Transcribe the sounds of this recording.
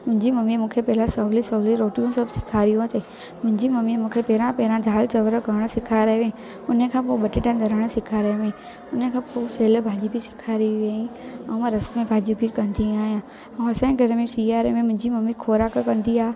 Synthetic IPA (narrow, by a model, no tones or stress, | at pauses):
mʊ̃ɦɪ̃ɲd͡ʑimɐmimũːkʰepɛɦɪlãsɐɦlisɐɦliɾoːʈijõsɐbʱsɪ̥kʰaːɾijõat̪e | mʊ̃ɦɪ̃ɲd͡ʑimɐmimũːkʰepɛɦɾãpɛɦɾãd̪ʱaːlt͡ɕɐʋɾɡɐɾəɽ̃sɪkʰaɾɐɦʋeẽ | ʊnəkʰãːpoɓɐʈɪʈə̃nd̪ʱɐɾəɽ̃sɪkʰaɾɐɦeʋẽ | ʊnəkʰãːpoːseːlbʱaːʄibʱisɪ̥kʰaɾiʋeːĩɛ̃mɾɐst̪mẽbʱaːʄibʱikɐ̃nd̪iaːɦijã | ɐ̃ɐsãɡʱɐɾmisiaːɾemẽmʊ̃ɦɪ̃ɲd͡ʑimɐmikʰoːɾaːkkɐ̃nd̪iaː